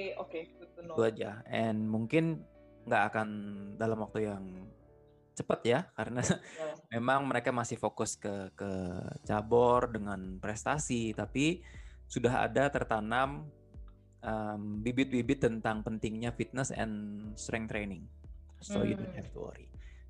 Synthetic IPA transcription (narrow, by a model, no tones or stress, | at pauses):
oket̪uad͡ʒaʔɛnmuŋkɪn | ŋɡaːkandalamwak̚t̪ujaŋ | t͡ʃəpət̪jakaɾənamemaŋməɾekamasɪhfokʊskəkət͡ʃabɔrdəŋanpɾɛst̪asit̪apisudaɦa̰dat̪ərt̪anam | ʔəmbibɪt̪̚bibɪt̪ːənt̪aŋpənt̪ɪŋɲafit̪̚nəsɛ̰nst̪ɾɛŋt̪ɾenɪŋso̰jṵdonhɛft̪uɔ̰ɾḭ